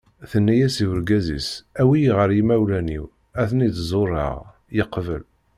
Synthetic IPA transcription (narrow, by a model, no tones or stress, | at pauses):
θənːæjæsiwəɾɡæzḭsæwiʁəɾjimæwlænḭw | æθənid̪zˤorˤːɑ̰ʁ | jəqːvə̰l